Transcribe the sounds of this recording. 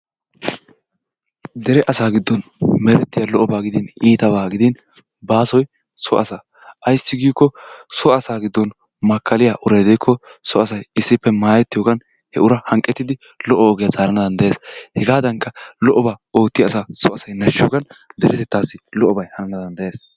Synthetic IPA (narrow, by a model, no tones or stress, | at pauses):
d̪ɛɾɛʔɐsaːɡɪd̪ːɔnmɛɾɛt̪ːɪjɐlɔʔɔbaːɡɪd̪ɪniːt̪ɐbaːɡɪd̪ɪnbaːsɔjsɔʔɐsaːɐjsːɪɡiːkːɔsɔɐsaːɡɪd̪ːɔnmɐkʰːɐlɪjaʔʊɾɛjd̪ɛjkʰːɔsɔɐsɐjɪsːɪpːɛmaːjɛt̪ːɪjoːɡɐnhɛ̰ʊɾɐhɐŋkʼːɛt̪ːɪd̪ɪlɔʔːɔːɡɛjazaːɾɐnɐd̪ɐnd̪ɛʔeːshɛɡaːd̪ɐŋkːɐlɔʔɔbaːo̞ːt̪ːɪjaːsaːsɔɐsɐjnɐʃːɪjoːɡɐnd̪ɛɾɛt̪ɛt̪ːaːsːɪlɔʔɔbɐjhɐnɐnɐd̪ɐnd̪ɐjeːs